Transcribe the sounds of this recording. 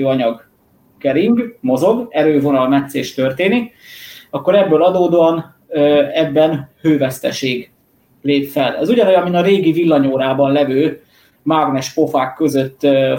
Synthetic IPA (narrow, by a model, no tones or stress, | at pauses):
ɒɲɒɡ | kɛɾiŋɡmo̞zo̞ɡɛɾøːvo̞nɒlmɛt̪seːʃt̪ørt̪eːnik | ɒkːo̞ɾɛbːøːlɒd̪oːd̪oɒn | øːɛbːɛnhøːvɛst̪ɛ̰ʃeːɡ | leːpfɛlɛzuɟɒnojɒminɒɾeːɡivilːɒɲoːɾaːbɒnlɛvøː | maɡnɛʃpo̞faːkːøzø̞t̪ː